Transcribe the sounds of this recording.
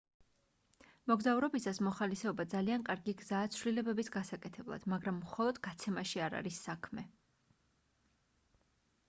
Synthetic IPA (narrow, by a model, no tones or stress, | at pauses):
mɔɡzauɾɔbisasmɔχalisɛɔbad̪zaliankʼaɾɡiɡzaːt̪sʰvlilɛbɛbisɡasakʼɛt̪ʰɛblˠa̰d̪̥maɡɾamːχɔlˠɔd̪ɡat̪sʰɛmaʃiaɾa̰ɾisːakʰmɛ